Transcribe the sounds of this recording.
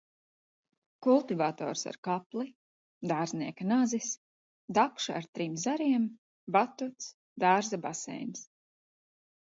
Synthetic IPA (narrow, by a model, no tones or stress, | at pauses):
kulˠt̪ivaːt̪ɔ̰ːɾsa̰ɾkaplˠi | d̪aːɾzniɛkanazis | d̪akʃaa̰ɾt̪ɾimzaɾiɛm | bat̪ut̪s | d̪aːɾzabasɛ̰ːjms